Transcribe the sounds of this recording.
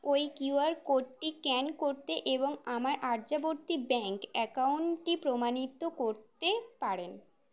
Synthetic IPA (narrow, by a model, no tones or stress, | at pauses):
ojkjuaɾkoɖʈikɛnkoɾt̪eʔeboŋamaɾʔaɾd͡ʑaboɾt̪ibɛŋkɛkauɳʈipɾomanit̪okoɾt̪epaɾen